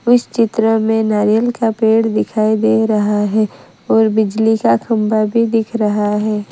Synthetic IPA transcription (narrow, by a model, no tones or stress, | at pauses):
ʊst͡ʃɪt̪ɾəmẽnaːɾijəlkapeːɽd̪ɪkʰaːid̪eɾɐɦaɦɛː | ɔːɾbɪd͡ʒlikakʰɐ̃mbabʱid̪ɪkʰɾɐɦaɦɛː